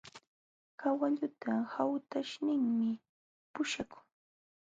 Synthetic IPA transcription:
kawaʎʊt̪ʰahawt̪aʃnɪŋmɪ | pʊʃakʊ̥ŋ

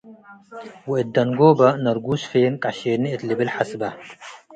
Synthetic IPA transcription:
wiʔɪd̪ːɐnɡoːbɐnɐɾɡuːsfeːnkʼaɕeːnːiʔɪt̪lɪbɪlħasbɐ

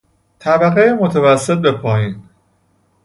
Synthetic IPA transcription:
t̪ʰæbæɣejemo̞t̪ʰævæsːe̞t̪̚be̞pʰɒːjiːn

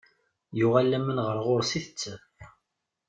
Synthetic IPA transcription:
jʊʁalːæmənʁəɾʁoɾsiθət͡sːə

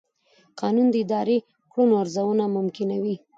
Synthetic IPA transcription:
qɑnund̪əɪd̪ɑɾe | kɽonoaɾzawunamʊmkɪnawi

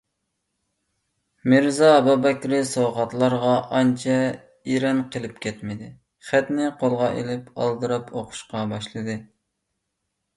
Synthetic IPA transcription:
mɨɾzɑbɑbɛkʲɾɪsowʁɑt̪lˠɑɾʁɑʔɑnt͡ʃʰɛ | iɾɛnqʰəlˠɪpkʲʰɛt̪mɪd̪ɪ | χæt̪nɪqʰolˠʁɑʔḛlɪpɑ̰lˠd̪ɨɾɑpʰoqʰʊ̥ʃqɑbɑʃlˠɨd̪ɨ

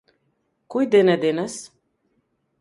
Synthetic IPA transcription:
kujd̪ened̪enəs

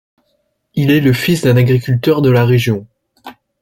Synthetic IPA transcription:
ilɛləfisd̪ɛ̃naɡʁikʲylt̪œʁd̪əlaʁeʒjɔ̃

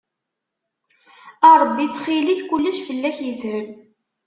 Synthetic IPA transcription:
ɑɾˤəbːit͡sːχiliçkʷulːəʃfəlːæçjəzhəm

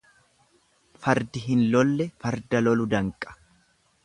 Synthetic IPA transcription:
fɐɾd̪ɪɦɪnlɔlːɛfɐɾd̪ɐlɔlʊd̪ɐŋkʼːɐ̥

